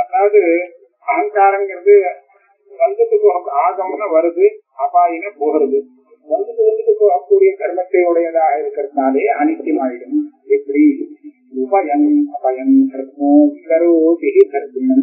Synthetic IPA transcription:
ɐðaːʋɐðɯ | ɐɦɐŋkaːɾɐmɡɪɾɐðɯ | ʋɐnd̪ɯkːɯpːoːɣɐkːɯaːɣɐmnɐʋɐɾɯðɯ | apaːjɐnɐpoːɣɯɾɐðɯ | ʋɐnd̪ɯkːɯʋɐnd̪ɯkːɯpːoːɣɐkːuːɽɪjɐk̪ɐɾmɐt̪ːɐɯɽɐjɐðaːɣɐɪɾɯkːɪɾɐðɯnaːleːɐnɪt̪ːimaːɾɪɽɯmɛpːɐɽi | upajɐnɐpaːjɐnt̪ɐɾɯt̪ːmoːkɐɾɯkeɦik̪ɐɾɯt̪ːɯnːɐn

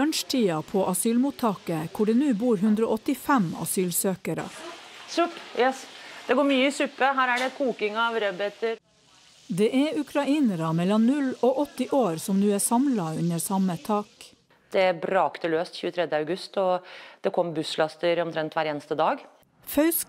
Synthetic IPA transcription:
œnʃʈʰiːɑpʰoːʔɑsyːlmuːt̪ʰɑːkəkʰʊɖɛːnʉːbuːɾɦʉnd̪ɾo̰ːʔɔt̪ɪfæmɑ̰syːlsøːkəɾə̰suʈːjɛsd̪ɛɡoːɾmyːəɪsʉpːəɦæːɾæɖɛkʰuːkɪŋɑʋɾɛbɛt̪əɾ | d̪eːʔæʉkʰɾɑiːnəɾəmɛlɔnʉloːʔɔt̪ɪʔoːɾsɔmnʉːæːsɑmlɑʉɲəɾsɑmət̪ʰɑːk | d̪̥ɛæbɾɑːkt̪ʰəløːst̪çʉːət̪ʰɾɛd̪jəɑʉɡʉst̪ɔd̪̥ɛkʰɔmbʉslɑst̪əɾɔmt̪ʰɾɛnt̪ʰʋæɾeːnəst̪əd̪ɑːɡ | fœʉsk

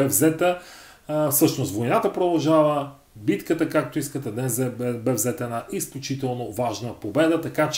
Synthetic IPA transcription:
ɛvzɛt̪ə | fsɤʃnost̪vojnat̪əpɾod̪ɐlˠʒavə | bit̪kət̪əkak̚t̪oiskət̪ɛd̪nɛsɛbɛvzɛt̪ɛnaʔisklʲʊt͡ʃit̪ɛlˠnovaʒnəpobɛd̪ət̪ɐkat͡ʃ

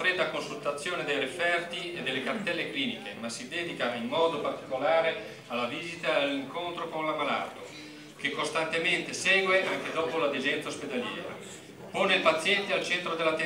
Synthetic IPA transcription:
fɾɛːd̪akonsult̪at̪sːjoːned̪ejrefɛrt̪ied̪ːelːekart̪ɛlːekliːnikemasid̪ɛːd̪ikaimːɔːd̪opart̪i̥kolaːɾe | alːaviːzit̪aalːiŋkont̪ɾokonlamala̰ːt̪o | k̟ekːost̪ant̪ement̪esɛːɡweaŋk̟ed̪ɔːpolad̪ed͡ʒɛnt̪saosped̪aljɛ̰ːɾa̰ | poːneilpat̪sjɛnt̪ealt͡ʃɛnt̪ɾod̪elːat̪e

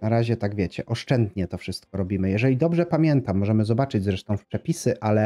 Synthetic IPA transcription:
naɾaʑɛt̪aɡvʲjɛt͡ɕɛʔɔʂt͡ʂɛnd̪ɲɛt̪ɔfʂɘst̪̚kɔɾɔbʲimɘjɛʐɛlʲid̪ɔbʐɛpamʲjɛnt̪amːɔʐɛmɘzɔbat͡ʂɘd͡ʑzɾɛʂt̪ɔ̃w̃fpʂɛpʲisɘʔalɛ

